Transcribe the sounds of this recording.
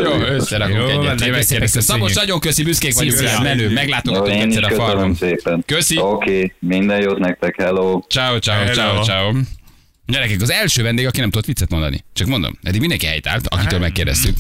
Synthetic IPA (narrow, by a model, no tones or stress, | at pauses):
josɛɾɒkoɛɛeɾdɛst̪ɛmsɒmoʃnɒɟo̞ŋkøsibyskeːkʋɒɟumɛnøːmɛɡlaːt̪o̞jɡɒoueːɛsːɛːɾɛkøfɒnmseːpɛnkøsiokeːmind̪ɛjoːt̪nɛk̚t̪ɛkhɛloːt͡ʃaːot͡ʃaːot͡ʃaot͡ʃaːo | ɟɛɾɛkɛkɒzɛlʃøːvɛnd̪eːɡɒkinɛmt̪ud̪ot̪ʋit̪sːɛt̪mo̞nd̪ɒ̰nḭt͡ʃɒkmond̪o̰mɛ̰d̪iɡmind̪ɛŋkiɦɛ̰jt̪a̰ːlt̪ɒ̰kit̪øːlmɛkːeːrdɛ̰st̪yk